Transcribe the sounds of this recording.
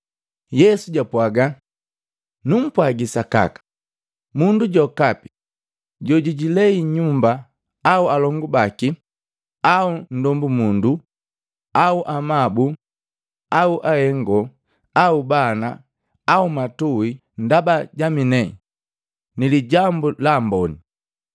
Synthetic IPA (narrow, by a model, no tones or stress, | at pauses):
jɛsuɟapwaɡa | num̩pwaɡisaka̰kḁ | munduɟɔkapi̥ | ɟɔɟiɟilɛiɲumbaː | ualɔŋɡubaki | aun̩dɔmbumundu | auʔamabu | auʔahɛŋɡɔ | aubana | aumatui | ndabaɟaminɛ | niliɟambulambɔni